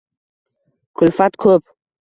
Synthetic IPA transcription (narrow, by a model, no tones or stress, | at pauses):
kʰʊlfat̪kʰɵp̚